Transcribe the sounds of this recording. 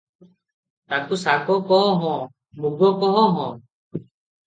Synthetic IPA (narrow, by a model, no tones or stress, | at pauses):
t̪akusakɔkɔɦɔɦɔ̃ | muɡɔkɔɦɔ̃ɦɔ̃